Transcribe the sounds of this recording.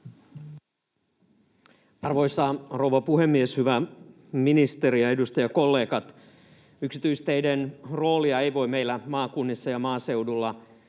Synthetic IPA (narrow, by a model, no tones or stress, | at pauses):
ɑrʋo̞jsɑro̞wʋɑpuɦe̞mːieshyʋæ | minist̪eɾiɑe̞dust̪ɑjɑko̞lːeːkɑt̪ | yksit̪yist̪ejdenro̞ːliɑejʋo̞ime̞ijlːæmɑːkunːisːɑjɑmɑːse̞wdulːɑ